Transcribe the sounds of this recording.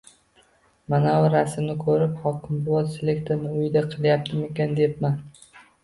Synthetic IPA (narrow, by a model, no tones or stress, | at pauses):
manaʊɾasɪmnɪkʰɵɾɪphɒkʲʰɪmbʊɒt̪sele̞kt̪ʰeɾnɪʊjd̪aqʰɨlˠjap̚t̪ʰɪmekʲand̪e̞pma